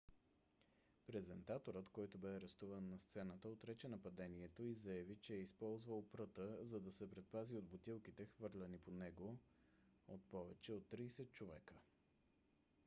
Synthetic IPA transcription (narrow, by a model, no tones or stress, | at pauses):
pɾɛzɛnt̪at̪oɾət̪kɔjt̪obɛɐɾɛst̪uvənːɐst̪sɛnət̪əot̪ɾɛt͡ʃɛnɐpɐd̪ɛniɛt̪oizɐjɐvit͡ʃɛɛispɔlˠzvəlˠpɾɤt̪əzɐd̪ɐsɛpɾɛt̪̚paziod̪bot̪ilˠkit̪ɛxvɤɾlʲɛniponɛɡo | ot̪̚pɔvɛt͡ʃɛot̪ːɾiːsɛt̪̚t͡ʃovɛkə